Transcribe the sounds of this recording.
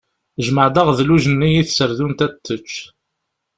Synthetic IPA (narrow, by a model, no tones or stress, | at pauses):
ʒməʕd̪əʁðluʒənːijiθsəɾðunt̪æt̪ːət͡ʃː